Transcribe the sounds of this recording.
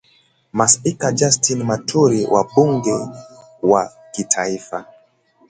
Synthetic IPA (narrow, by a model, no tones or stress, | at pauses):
masikad͡ʒastinmatʰuɾiwʔa̰ɓuŋɡɛ | wa | kitʰaifa